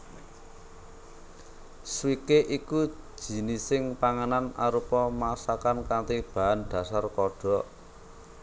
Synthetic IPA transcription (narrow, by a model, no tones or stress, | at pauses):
swikeʔiku̥ | ʒ̥i̤nisɪŋpaŋananʔa̰ɾupɔmasakankant̪ib̥a̤anɖ̪̥ä̤sarkɔɖ̥ɔ̤ʔ